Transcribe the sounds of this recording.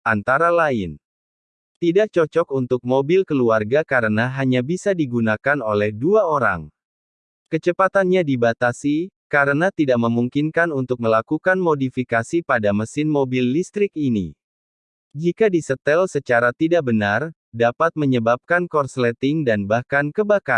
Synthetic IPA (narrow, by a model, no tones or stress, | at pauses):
ʔant̪aɾalaɪn | t̪idaʔ̚t͡ʃɔt͡ʃɔkunt̪ʊk̚mobɪlkəluarɡakaɾənaɦaɲabisadiɡunakanolɛhduaoɾa̰ŋ | kət͡ʃəpat̪anɲadibat̪asikaɾənat̪idaʔməmuŋkinkanunt̪ʊk̚məlakukanmodifikasipadaməsɪnmobilːist̪ɾɪkinḭ | d͡ʒikadisət̪ɛlsət͡ʃaɾat̪idaʔ̚bənar | dapat̪̚məɲəbap̚kankɔrslɛt̪ɪŋdanbahkankəbaka